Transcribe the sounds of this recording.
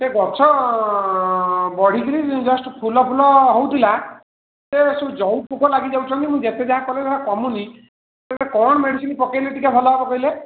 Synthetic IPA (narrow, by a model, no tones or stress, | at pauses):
teɡɔɾt͡ʃʰɔ | bɔɽ̤ikiɾid͡ʒɔsʈpʰulɔpʰulɔɦowt̪ʰila | sesud͡ʒɔw̚pukɔlaɡid͡ʒawt͡ʃʰɔnt̪imũd͡ʒet̪ed͡ʒaɦakɔled͡ʒaɦakɔmuni | t̪etekɔɽ̃ɔmeɽisinipɔkejliʈikabʱɔlɔɦebɔkɔɦile